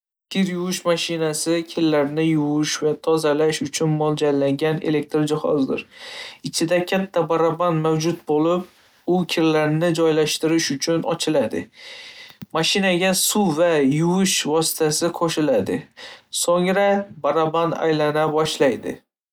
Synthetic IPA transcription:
kʲʰɪɾjʊwɪʃmaʃɪnasɪkʲʰɪlːaɾnɪjʊwʊʃvat̪ʰɒzalaʃʊt͡ʃʰʊnmɒlˠd͡ʒalaŋɡʲane̞̰le̞k̚t̪ɾd͡ʒɪhɒ̰zd̪ɪ̰ɾɪt͡ʃʰɪd̪akʲʰat̪ʰːabaɾaband̪mawd͡ʒʊt̪̚bolɪp̚ | ʊkʲʰɪɾlaɾnɪd͡ʒɒjlaʃt̪ɪɾɪʃʊt͡ʃʰʊnɒ̰t͡ʃʰɪlad̪ɪ̰ | maʃɪnaɡʲasʊvajʊwʊʃvɒsɪ̥t̪ʰasɪqʰoʃɪlad̪ɪsoŋɾabaɾaband̪a̰jlanabɒʃlajd̪ɪ̰

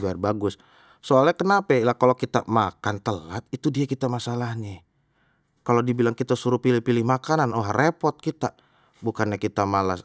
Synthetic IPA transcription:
biarbaɡʊs | soalɲakənapailahkalokit̪a̰makant̪əlat̪̚it̪udiakit̪amasalahɲa | kalodibilaŋkit̪asuɾupilɪhpilɪhmakananoaɦrepɔrt̪̚kit̪a | bukanɲakit̪amalas

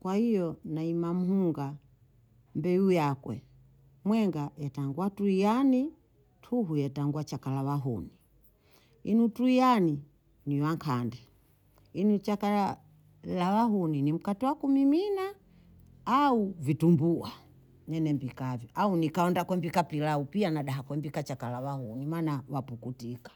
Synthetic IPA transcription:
kwahijɔnaimam̩huŋɡa | mbɛujakwɛ̰ | mwɛŋɡajɛtaŋɡwatuijani | tʰuɦujɛtaŋɡwat͡ʃakalawaɦṵni | inutuijani | niwaŋkʰandɛ | inut͡ʃakala | lawaɦuninim̩katiwakumiminaː | uvitumbua | ɲɛnɛmbikavjɔʔaunikaɔndakwɛmbikapilaupianaɗaɦakwɛmbikat͡ʃakalawahunimanawapukutikḁ

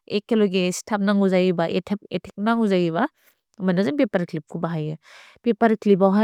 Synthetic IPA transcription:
ekːeloɡestʰap̚naŋuzajibaʔetʰep̚etʰek̚naŋuzajiβa | mɐnɐzɯnpepɐɾklip̚kʰubaɦajɯ | pepɐɾklip̬awɦa

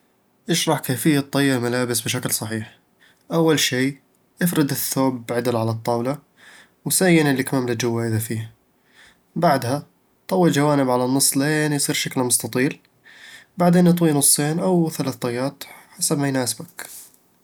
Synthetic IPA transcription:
ʔɪʃɾˤɑħkeːfɪjːat̪ˤːɑjːɪmalaːbɪsbɪʃaklsˤɑħiːħ | ʔawːalʃiː | ʔɪfɾɪd̪ɪθːoːbʕad̪ɪlʕalat̪ˤːɑːwla | wsajːɪnɪlːɪkmaːmlɪd͡ʒʊwːaʔɪðafiːha | baʕd̪ha | t̪ˤɑwːɪld͡ʒawaːnɪbʕalanːɨsˤːleːnjsˤiːɾʃaklmʊst̪ɑt̪ˤiːl | baʕd̪eːnɨt̪ˤwiːnʊsˤːeːnʔawθalaːθt̪ˤɑjːaːt̪ħasabmajnaːsbak

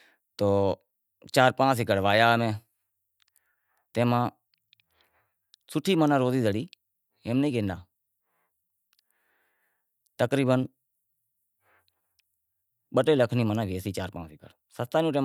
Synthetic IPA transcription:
t̪oː | t͡ʃaːɾpãːsɪkəɽʋaːjaːmẽː | t̪ẽːmãː | sʊʈʰiːmənãːɾoːziːzəɽiː | eːmnəiːkeːnd̪aː | t̪əkɾiːbən | ɓəʈeːləkʰniːmənãːʋeːsiːt͡ʃaːɾpãːsɪkəɽ | səst̪aːnũːʈeː

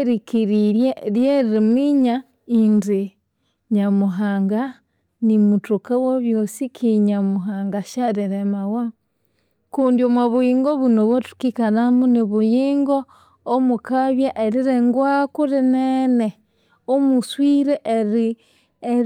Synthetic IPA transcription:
eɾikiɾiɾjeɾjeɾimiɲa | indi | ɲamuɦaŋɡa | nimutukawoβjosikʰiɲamuɦaŋɡaʃaɾiɾemawa | kundjomwaβujiːŋɡoβunoβwotu̥kikanamuniβujiːŋɡoː | mukaβjaʔeɾiɾeŋɡwakuɾinene | omuswiɾeʔeɾi

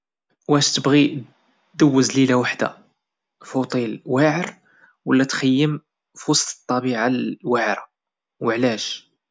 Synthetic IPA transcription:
wæʃt̪əbɣi | d̪əwːəzlilawaħd̪a̰ | fut̪ˤilwaʕəɾ | wəlːæt̪xəjːəm | fusˤd̪ə̥t̪ˤːɑbiʕalwaʕɾa | wəʕlæʃ

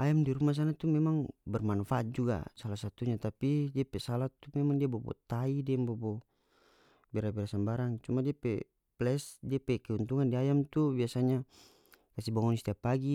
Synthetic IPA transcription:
ajamdiɾumas̬anat̪umɛmaŋbɛrmanfaat̪̚d͡ʒuɡa̰salasat̪uɲat̪apidiapɛsalat̪umɛmaŋdiabɔbɔ̰t̪aidiɛmbɔbɔ | bɛɾabɛɾasambaɾaŋt͡ʃumadiapɛ | plɛsdiapɛkɛunt̪uŋandiajamt̪ubiasaɲa | kasibaŋɔnist̪iapaɡi

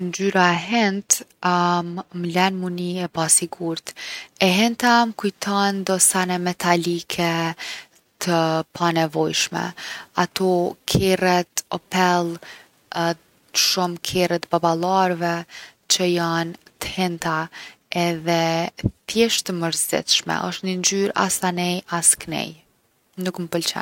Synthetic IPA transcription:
nd͡ʒyɾaɛɦɛnt̪ | mmlɛnmuniɛpasiɡuɾt̪ɛɦɛnt̪aməkujt̪ʰɔnd̪ɔsanɛmɛt̪ʰalikʰɛ | t̪ʰəpʰanɛvɔjʃmɛ̰at̪ɔkʰɛrɛt̪ɔpɛlˠ | ʃumkʰɛrɛt̪babalˠaɾvɛt͡ʃəjant̪ə̥hɛnt̪a | ɛðɛθjɛʃt̪əməɾzɛ̰t̪ʃmɛ̰ʔə̰ʃt̪nind͡ʒyɾa̰sanɛjasknɛ̰j | nukməpəlt͡ʃɛ̰n

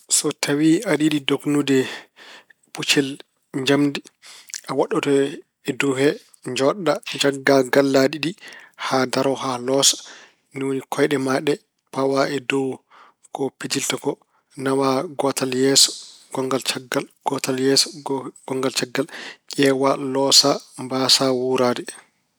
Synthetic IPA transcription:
sɔtʰawiaɗiɗidoknudɛ | put͡ʃɛl | ɲd͡ʒamdiʔawaɗːɔtɔ | ɛdɔwhɛ | ɲd͡ʒɔɗːad͡ʒaɡːaɡalːaɗiɗihadaɾɔɦalɔsḁ | niwonikʰɔjɗɛmaɗɛ | pawaɛdɔw | kɔpid͡ʒiltakɔ | nawaɡɔtaljɛsɔ̥ɡ̥ɔŋɡalt͡ʃaɡːalɡ̥ɔtaljɛsɔ̥ɡ̥ɔŋɡalt͡ʃaɡːalkʲɛːwalɔsambasawuɾaːdɛ

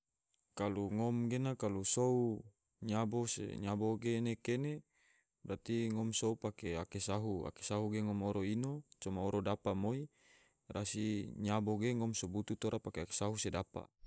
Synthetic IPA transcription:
kaluŋomɡenakalusou | ɲabosḛɲaboɡenekene | ɾat̪iŋɔmsoupakeakesaɦua̰ke̥saɦuɡeŋɔmoɾoinot͡ʃomaoɾodapamoi | ɾasiɲaboɡeŋɔmsobut̪ut̪oɾʔapakeake̥saɦusedapa̰

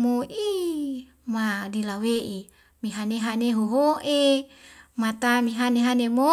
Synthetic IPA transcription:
moʔi | madilaweʔi | miɦaneɦaneɦoɦoʔe | mat̪amiɦaneɦanemo

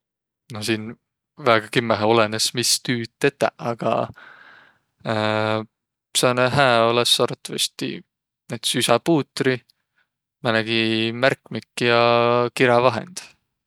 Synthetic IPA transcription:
nosiːn | væːɡ̥ɑkimːæɦo̞lenesmist̪yːt̪ːet̪ːˑæ̰ɑɡ̥ɑ̰ | sɑːneɦæːo̞lesːɑɾt̪ːˑɑvɑsʲt̪ḭ | net̪sysɑpuːt̪ːˑɾi | mɑnæɡ̥imærkmikːjɑkiɾɑvɑɦḛnd̪̥

